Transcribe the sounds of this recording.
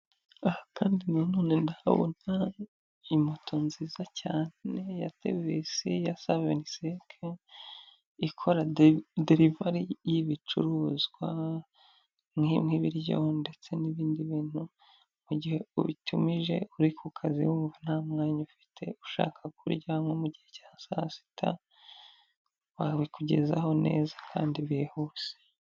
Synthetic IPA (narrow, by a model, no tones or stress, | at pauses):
ahakaːndinanoːnendaβo̰na | imotʰonzizacaːne̞jate̞̰vesijasaβenisekʰe | ikʰo̞ɾadeɾivaɾijiβit͡ʃṵɾuːzɡwa | mimŋiβiɾjo̰nde̞t͡se̞niβiːndiβiːn̥hu | muɟihe̞uβitʰumiʒe̞̰uɾikʰukʰazḭwuːɱvan̥aːmŋaːɲufi̥tʰe̞̰uʃa̰ːkʰakṵɾɟaŋo̞muɟihe̞caːsa̰si̥tʰa̰ | βaβikuɟe̞̰za̰ho̞ne̞̰ːzḁkʰa̰ːndiβehuse̥